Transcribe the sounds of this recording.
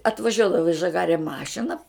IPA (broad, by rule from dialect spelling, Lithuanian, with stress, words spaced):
ɐtʋɐˈʒʲuɔdɐʋoː ɪ ʒɐˈɡɑːrʲɛ ˈmɑːʃʲɪnɐ